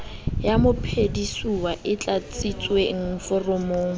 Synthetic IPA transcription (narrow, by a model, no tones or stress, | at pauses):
jamʊpʰedisuwaʔɪt͡ɬʼat͡sʼit͡sʼweŋ̩fʊrʊmoːŋ̩